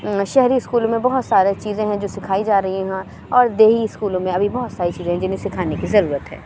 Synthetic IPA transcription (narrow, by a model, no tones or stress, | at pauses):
ʃɛɦɾiɪskuːlmẽbɐɦʊt̪saːɾet͡ʃiːzẽɦɛ̃d͡ʒoːsɪkʰaːid͡ʒaːɾɐɦiɦɛ̃ | ɔːɾd̪eːɦiɪskuːlõmẽɐbʱibɔɦʊt̪saːɾit͡ʃiːzẽɦɛ̃d͡ʒɪnɦẽsɪkʰaːnekizɐɾuːɾət̪ɦɛ̰̃ː